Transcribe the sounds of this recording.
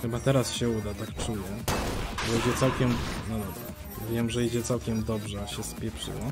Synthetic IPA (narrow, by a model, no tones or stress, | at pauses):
xɘbat̪ɛɾasɕɛud̪at̪akt͡ʂujɛbɔid͡ʑɛt̪sawkʲɛmnɔd̪ɔbɾa̰ | vʲjɛmʐɛid͡ʑɛt̪sawkʲɛmd̪ɔbʐɛɕɛspʲjɛpʂɘ̰wɔ